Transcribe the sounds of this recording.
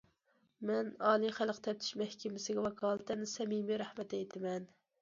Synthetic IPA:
mɛnɑːlˠiχælˠqt̪ʰɛp̚t̪ʰy̥ʃmɛhkʲɪmɪsɪɡʲɛwɑkʰɑːlˠt̪ʰɛnɪsɛmimiɾɑhmɛt̪ɛjt̪ʰɪmɛn

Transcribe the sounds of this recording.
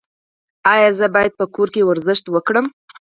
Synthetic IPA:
ɑjɑzəbɑjad̪̚pəkoɾkewaɾzəʃt̪wəkɽəm

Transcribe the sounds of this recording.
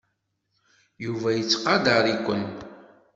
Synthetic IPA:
juvæjət͡sːqɑd̪əɾˤikʷːə̰n

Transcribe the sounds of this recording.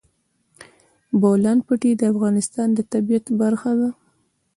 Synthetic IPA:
bolanpəʈed̪əafɣɑnɪst̪ɑnd̪ət̪abijat̪baɾxad̪a

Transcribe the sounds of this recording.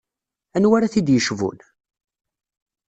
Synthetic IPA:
ænwæɾaθid̪jəʃvṵn

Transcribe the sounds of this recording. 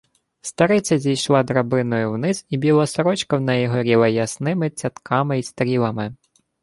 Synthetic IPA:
st̪ɐɾɪt͡sʲɐzʲijʃlˠɑd̪ɾɐbɪnɔjʊwnɪzibʲilˠɔsɔɾɔt͡ʃkɐwnɛjiɦɔɾʲilˠɐjɐsnɪmɪt͡sʲɐt̪kʰɑmɪist̪ɐɾʲilˠɐmɪ

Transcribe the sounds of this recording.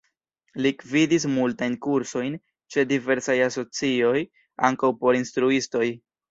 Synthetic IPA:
likvidis̬multajnkuɾso̞jn | t͡ʃe̞dive̞ɾsajaso̞t͡sio̞j | aŋkawpo̞ɾinstɾuisto̞j

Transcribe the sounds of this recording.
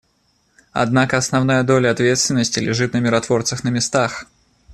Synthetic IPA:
a̰d̪nakəɐsnavnajəd̪olʲɐɐt̪vʲet̪st̪vʲɪnːəsʲtʲɪlʲɪʐɨt̪nəmʲɪɾat̪vort̪səxnəmʲɪst̪ax

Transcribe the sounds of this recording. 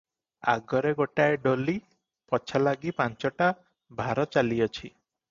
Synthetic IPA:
a̰ɡɔɾeɡoʈaeɖoli | pɔt͡ʃʰalaɡipant͡ʃɔʈa | bʱaɾɔt͡ʃaliɔt͡ʃʰi

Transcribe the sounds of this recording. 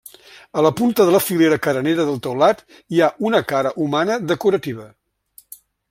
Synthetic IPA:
ələpunt̪əðələfileɾəkəɾəneɾəðəlˠt̪əwlat̪ | iaʔunəkaɾəʔumanəðəkuɾət̪iβ̞ə

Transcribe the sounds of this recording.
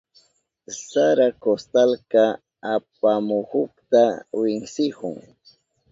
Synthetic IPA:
saɾakost̪alka | ap̚amʊhʊkt̪awɪŋsɪhʊŋ

